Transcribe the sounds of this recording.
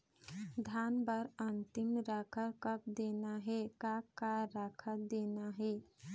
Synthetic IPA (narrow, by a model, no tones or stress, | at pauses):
d̪ʱaːnbəɾənt̪ɪmɾakʰəɾkəp̚d̪eːnaɦɛkakaɾaːkʰəd̪eːnaɦɛ